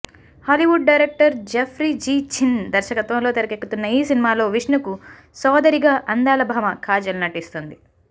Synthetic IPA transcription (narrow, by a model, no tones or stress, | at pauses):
haːliʋuɖ̚ɖɐjɾek̚ʈɐɾd͡ʒepʰɾiːd͡ʒiːt͡ʃind̪ɐɾʃɐkɐt̪ʋɐ̃mlo̞ːt̪ɐɾɐkekːut̪unːɐiːsinimaːlo̞ːʋiʂɳuku | sɔːd̪ɐɾiɡaːʔɐnd̪aːlɐbʱaːmɐkʰaːd͡ʒɐlunɐʈist̪ond̪i